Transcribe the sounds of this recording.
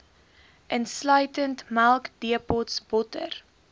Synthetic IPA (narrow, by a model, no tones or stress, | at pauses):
ʔənslœɥtəntmælˠkdiəpɔtsbɔtə̰r